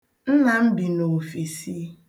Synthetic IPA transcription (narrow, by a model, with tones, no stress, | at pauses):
n̩˦na˨m̩˦bi˨no˨fi˨si˦